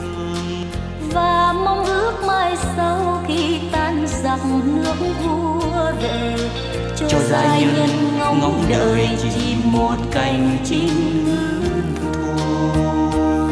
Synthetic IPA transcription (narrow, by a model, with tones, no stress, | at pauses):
vaː˨˩ma˧wŋ͡mʔɨ˧˥ək̚maː˧˩jsa˧wxi˧t̪aː˧˥nza˨˩ŋ͡mŋnɨ˧˥ək̚vu˧˥əve˧˩ | t͡ɕɔ˧t͡ɕɔ˧zaː˧˩˧ɲə˧nŋa˧ŋa˧˩wŋ͡mɗəː˧˩jt͡ɕi˧˩mo˨˩t̚ka˧˩jŋ̟t͡ɕi˧˦nmɨ˧ | u˧˩˨